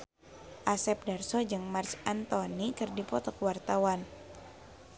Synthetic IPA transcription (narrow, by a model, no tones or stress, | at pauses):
ʔasɛp̚darsɔd͡ʒɨŋmart͡ʃant̪ɔnikɨrdipɔt̪ɔkəwart̪awan